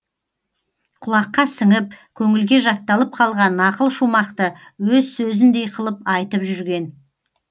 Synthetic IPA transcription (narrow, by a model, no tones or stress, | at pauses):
qʰʊlˠɑqːɑsəŋəp̚kʲʰɵŋɪlɡʲe̞ʒɑt̪ːɑlˠəp̚qʰɑlˠʁɑnɑqəlˠʃumɑqt̪ə | wɵzsɵzɪnd̪e̞jqʰəlˠəpɑjt̪əpʒʏɾɡʲe̞n